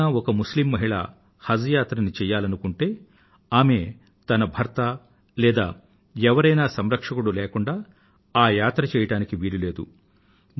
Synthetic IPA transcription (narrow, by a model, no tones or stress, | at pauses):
aːɔkɐmuslimːɐɦiɭa̰ː | hɐd͡ʒɐjaːt̪ɾɐnit͡ʃɛːjːaːlɐnukuɳʈe̞ː | aːme̞ | t̪ɐnɐbʱɐɾt̪ɐ | lɛːd̪a̰ː | ɛʋɐɾɐjnaːsɐmɾɐkʂɐkuɽulɛːkuɳɖaː | aːjaːt̪ɾɐt͡ʃɛːjɐʈaːnikiʋiːɽile̞ːd̪ṵ